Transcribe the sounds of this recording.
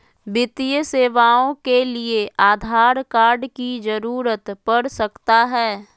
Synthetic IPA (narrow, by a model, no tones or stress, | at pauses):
bɪt̪ijəseːʋaːõkelieʔaːd̪ʱaːɾkaːɾɖkid͡ʒəɾuːɾət̪pəɽsəkt̪aɦɛː